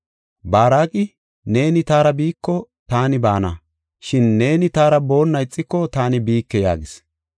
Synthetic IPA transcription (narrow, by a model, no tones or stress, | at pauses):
baːɾaːkʼɪ | ne̞ːnɪt̪aːɾɐbiːkːɔ | t̪aːnɪbaːnɐ̰ | ʃɪnːe̞ːnɪt̪aːɾɐbo̞ːnːɐjt͡sʼːɪkːɔt̪aːnɪbiːkːɛja̰ːɡɪs